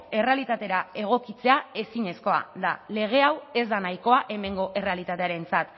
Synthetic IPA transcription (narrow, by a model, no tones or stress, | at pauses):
e̞re̞alit̪at̪e̞ɾae̞ɣ̞o̞kit͡se̞ae̞siɲe̞sko̞a̰d̪ale̞ɣ̞e̞awe̞zd̪anajko̞aʔe̞me̞ŋɡo̞ʔe̞re̞alit̪at̪e̞aɾe̞nt͡sat̪